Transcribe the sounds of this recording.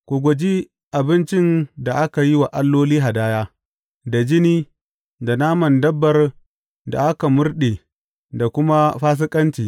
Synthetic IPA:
kʷu˨ɡʷʊ˨d͡ʒi˦ | ʔa˨bɪ˦nt͡ʃɪ˦nda˨ʔa˦ka˨ji˦wa˨ʔa˦lːoː˦liː˦ɦa˨daː˦jaː˦ | da˨d͡ʒɪ˦niː˦ | da˨naː˦mɐ˨ndɐ˦bːɐ˨r | da̰˨ʔa˦ka˨mʊ˦rɗe˨ | da˨kʷʊ˦ma˦ɸaː˦s̬ɪ˦kʼɐ˦nt͡ʃiː˨

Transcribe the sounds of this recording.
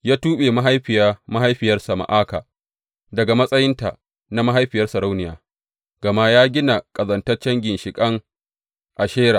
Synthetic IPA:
jaː˦tuː˦ɓeː˨ma˦ɦa˦jɸɪ˨jaː˦ma˦ɦa˦jɸɪ˨jɐ˦rsɐ˨ma̰˨ʔaː˦ka̰ː˨ | dɐ˨ɡa˨mɐ˦sʼɐ˦jɪ˦nta̰˨ | na˦ma˦ɦa˦jɸɪ˨jɐ˦rsɐ˨ɾa˦wnɪ˨ja̰ː˨ | ɡ̥ɐ˨ma˦jaː˦ɡʲɪ˦na˨kʼɐ˨zɐ˨ntɐ˦rt͡ʃɐ˦ŋɡʲɪ˨nʃɪ˨kʼɐ˦ŋ | ʔa˨ʃeː˦ɽa̰ː˨

